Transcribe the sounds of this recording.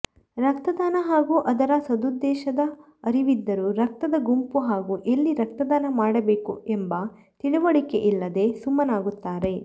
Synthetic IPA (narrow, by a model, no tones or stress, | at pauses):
ɾɐk̚t̪ɐd̪aːnɐɦaːɡuːʔɐd̪ɐɾɐsɐd̪ud̪ːɛːʃɐd̪ɐ | ɐɾiʋid̪ːɐɾuɾɐk̚t̪ɐd̪ɐɡumpuɦaːɡuːʔelːiɾɐk̚t̪ɐd̪aːnɐmaːɽɐbe̞ːkṵembɐ | t̪iɽuʋɐɽike̞ʔilːɐd̪e̞sumɐnaːɡut̪ːaːɾe̞